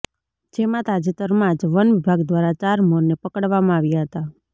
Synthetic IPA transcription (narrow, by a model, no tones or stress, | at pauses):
d͡ʒemãt̪ad͡ʒit̪əɾmãd͡ʒʋənʋɪbʱaɡd̪ʋaɾat͡ʃaɾmoɾnepəkəɽʋamãaʋjaɦət̪a